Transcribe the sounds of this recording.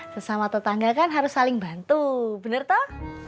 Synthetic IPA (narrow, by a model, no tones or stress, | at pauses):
səsamat̪ət̪aŋɡakanɦaɾʊsːalɪŋba̤nt̪ub̥ə̤nərt̪ɔh